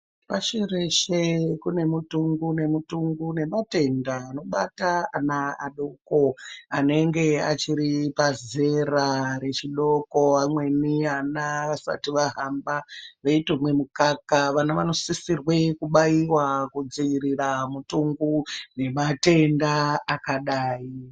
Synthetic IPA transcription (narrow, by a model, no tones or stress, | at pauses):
paʃereʃe̞kune̞mutuŋɡune̞mutuŋɡune̞mate̞ndaːno̞ɓa̰taanaaɗokoane̞ŋɡe̞at͡ʃiɾipaze̞raɾe̞t͡ʃiɗo̞ko̞amwe̞nianaʋasa̰tiʋaɦambaʋeitemwemukakaʋanaʋano̞sisirwe̞kuɓajiwakud͡ziʋiɾiramutuŋɡune̞mate̞ndaakaɗaːi